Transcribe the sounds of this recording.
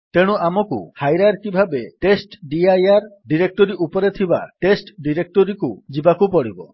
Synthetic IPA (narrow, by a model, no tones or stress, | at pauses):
t̪eɽ̃uʔamɔkṵhajɾaɾkibʱabeʈesʈɖiajaɾɖiɾek̚ʈɔɾiupɔɾet̪ʰiba̰ʈesʈɖiɾek̚ʈɔɾikud͡ʒibakupɔɽibɔ